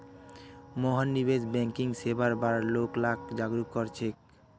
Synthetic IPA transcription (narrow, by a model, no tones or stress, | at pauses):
mɔɦanːibed͡ʑbɛŋkiŋsebaɾbaɾloklakd͡ʑaɡɾukːoɾt͡ɕʰek̚